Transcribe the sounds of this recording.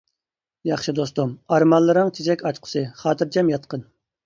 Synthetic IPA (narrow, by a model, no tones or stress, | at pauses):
jɑχʃɨd̪ost̪umɑɾmɑnlːˠɨɾɨŋt͡ʃʰed͡ʒɛkʲɑt͡ʃqʰʊ̥sɨχɑːt̪ʰɨɾt͡ʃʰɛmjɑt̪̚qən